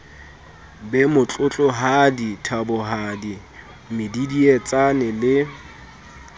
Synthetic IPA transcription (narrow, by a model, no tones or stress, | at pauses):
bɛmʊt͡ɬʼʊt͡ɬʼɔɦaditʰabʊɦadi | mɪdidiɛt͡sʼanɛlɪ